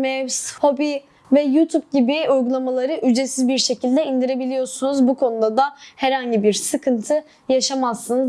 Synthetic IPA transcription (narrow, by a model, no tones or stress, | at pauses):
mɛwsho̞bi | vɛjut̪ʰup̚ɟibiujɡulˠamalˠaɾɯʔyd͡ʒesizbiɾʃe̞cʰilʲd̪ɛind̪iɾe̞bilʲijoɾsunuzbukʰo̞nud̪ad̪ahɛɾhaɲɟibiɾsɯkʰɯnt̪ʰɯ | jaʃamasːɯnɯz